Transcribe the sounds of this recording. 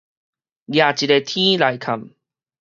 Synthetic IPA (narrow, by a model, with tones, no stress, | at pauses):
ɡja˨˩t͡ɕi˨˩e˧t̪ʰĩ˦la˨˧˦jkʰa˨m